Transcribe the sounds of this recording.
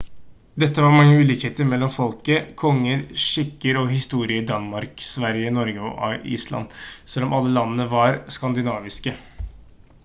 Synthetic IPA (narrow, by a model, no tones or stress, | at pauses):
d̪ɛt̪ːəʋɑɾmɑŋːəʉːliːkheːt̪əɾmɛlːɔmfɔlkəkʰɔŋːəɾʂɪkːəɾɔhɪst̪uːɾɪəɖ̪ɑnmɑɾksʋæɾjənɔɾɡəɔ̰ʔɑ̰ḭːslɑ̰nsɛlːɔmʔɑlːəlɑnːənəʋɑɾskɑnd̪ɪnɑːʋɪskə